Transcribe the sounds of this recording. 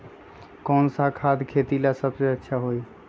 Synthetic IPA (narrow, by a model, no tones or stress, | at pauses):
kɔnsakʰad̪kʰet̪ilasəbseətːʃʰaɦoj